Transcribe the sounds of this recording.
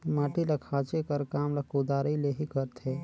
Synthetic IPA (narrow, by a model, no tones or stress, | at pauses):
maːʈilɐkʰaːt͡ʃekəɾkaːmlakud̪aːɾileɦikəɾt̪ʰeː